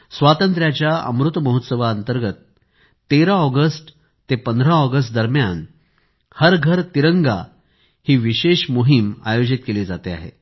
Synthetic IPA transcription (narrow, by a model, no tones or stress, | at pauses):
sʋat̪ənt̪ɾjat͡ɕjaə̰mɾut̪məɦut̪səʋaənt̪əɾɡət̪ː | eɾaɔɡəsʈ | t̪epənd̪ʱɾaɔɡəs̬ʈd̪əɾmjan | həɾɡʱəɾt̪iɾəŋɡa̰ | hiːʋiɕeɕmuɦima̰jod͡ʑit̪̚kelid͡zat̪ea̰ɦḛ